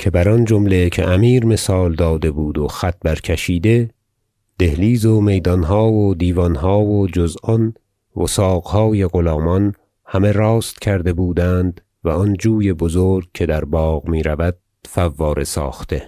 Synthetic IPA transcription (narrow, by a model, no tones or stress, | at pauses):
cʰe̞bæɾɒnd͡ʒomle̞cʰḛʔæmiːɾme̞sɒːld̪ɒːd̪e̞buːd̪oxæt̪̚bæɾkʰeʃiːd̪e̞ | d̪̥e̞hliːzome̞jd̪ɒnɦɒːvod̪iːvɒnɦɒːvod͡ʒozɒn | vosɒːɣhɒːje̞ɣolɒːmɒn | hæme̞ɾɒːst̪cʰæɾd̪e̞buːd̪ænd̪ | væɒnd͡ʒuːjebozoɾɡ̚cʰe̞d̪æɾbɒːɣmiːɾævæd̪̥̚ | fævːɒːɾe̞sɒ̰ːxt̪e̞